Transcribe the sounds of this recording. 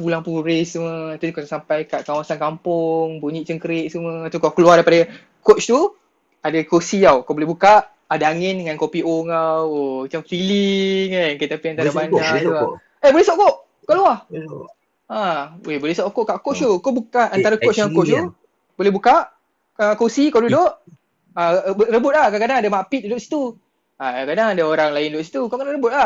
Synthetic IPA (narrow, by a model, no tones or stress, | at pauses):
pulaŋpuɾɪssəməat̪ukot̪sampajkaʔkawasankampʊŋbuɲiʔt͡ʃəŋkəɾeʔsəmə̃at̪ukokəluadajpada | kot͡ʃt̪u | adakosiawkaobolɛhbukaʔ | adaaŋɪndəŋankopioŋawomat͡ʃamfiliŋankat̪apiant̪aɾabanatua | ebolɛsoʔkoʔ | koʔluah | awebolɛsoʔkoʔkaʔkoʔʃukabukaant̪aɾakoʔsjaŋkoʔʃu | bolɛhbukaʔ | akosikawdudoʔ | abɾəbʊt̪̚lakakadaŋadamapit̪̚dudʊʔsi̥t̪u | aakadaŋadaoɾaŋlaɪndʊʔsit̪ukaʔkəlaʔɾəbʊt̪̚lah